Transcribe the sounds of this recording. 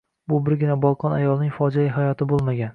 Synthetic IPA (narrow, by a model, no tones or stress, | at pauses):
bʊbɪɾɡʲɪnabɒlˠqʰɒnajɒlˠnɪŋʲfɒd͡ʒajɪɦajɒt̪ʰɪbolˠmaɡʲan